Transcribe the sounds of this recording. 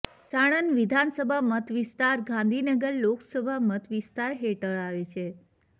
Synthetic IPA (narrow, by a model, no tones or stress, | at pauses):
saɽ̃ənʋid̪ʱansəbʱamət̪ʋist̪aɾɡãnd̪ʱinəɡəɾloksəbʱamət̪ʰʋist̪aɾɦeʈəɭaʋet͡ʃʰe